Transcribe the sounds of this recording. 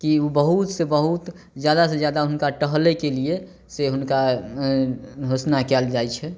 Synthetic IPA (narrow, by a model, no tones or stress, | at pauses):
kiubəɦut̪sebəɦut̪ | d͡ʒjad̪as̬ẽd͡ʒjad̪aɦunkaʈəɦlekelie | seɦunka | ɦosnakɛld͡ʒajt͡ʃʰɛ